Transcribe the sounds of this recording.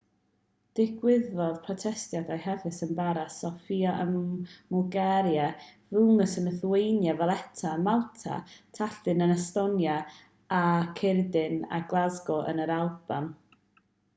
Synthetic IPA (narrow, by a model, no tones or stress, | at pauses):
d̥ɪɡwɪðɔð̥pʰrɔtʰɛstjadajhɛvɨsənbaɾasɔfiaʔənmɔlɡɛɾjavʊnəsənəθwejnjavalˠɛtʰamalˠtʰa̰tʰaɬɨnənastɔnja | akʰɪrdɪna̰ɡlˠazɡɔʔə̰nəɾalˠb̥am